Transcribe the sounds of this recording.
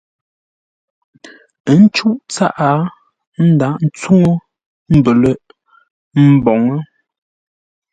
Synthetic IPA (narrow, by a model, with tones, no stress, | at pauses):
ə˦n̩˦t͡ʃu˦ʔt͡sa˦ʔa˨˦ | n̩˦da˨˦ʔn̩˦t͡su˦ŋə˦ | m̩˨bə˨lə˦ | m̩˦˨bɔ˨ŋə˦